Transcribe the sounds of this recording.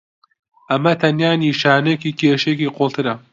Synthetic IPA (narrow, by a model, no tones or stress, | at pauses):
ʔɐmɐt̪ʰɐnjaːniːʃaːnekiːkʰeːʃekiːqʰolˠt̪ʰɨɾɐ